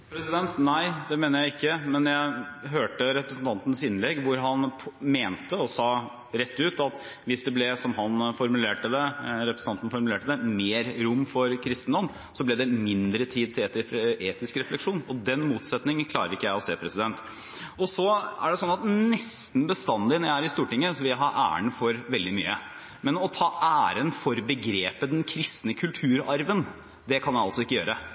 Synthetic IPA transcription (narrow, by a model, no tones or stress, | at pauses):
pʰɾɛsɪd̪ɛnt̪næɪd̪ɛmeːnəjæɪɪkːəmɛnjæɪɦøːʈəɾɛpɾəsn̩t̪ʰɑnt̪ənsɪnlɛɡːʋʊɾɦɑnʰmeːnt̪əɔsɑː | ɾɛt̪ːʉːt̪ɑt̪ | ʋɪsd̪ɛblɛsɔmɦɑnfɔɾmʉleːʈəd̪ɛɾɛpɾəsn̩ʰɑnt̪ənfɔɾmʉleːʈəd̪ɛmeːɾɾʊmːfɔɾkʰɾɪst̪nd̪ɔm | sɔblɛd̪ɛmɪnd̪ɾət̪ʰiːd̪̚t̪ʰɪeːt̪eːt̪ɪskɾɛflɛkʂuːnɔd̪ɛnmuːt̪sɛt̪nɪŋənkʰlɑːɾəɾɪkːəjæɪɔseːpʰɾɛsɪd̪ɛnt̪ | ɔsɔæɖɛsɔnːɑt̪nɛst̪n̩bəst̪ɑnd̪ɪnɔjæɪæɾɪst̪uːʈɪŋːəsɔʋɪljæɦɑɾʔæ̰ːə̰ɳfɔɾʋɛld̪ɪmy̰ːə | mɛnɔt̪ʰɑːʔæːɾənfɔɾbəɡɾeːpəd̪ɛnkʰɾɪst̪nəkʰʉlt̪ʰʉːɾɑɾʋən | d̪ɛkʰɑnjæɑlsɔɪkːəjøːɾə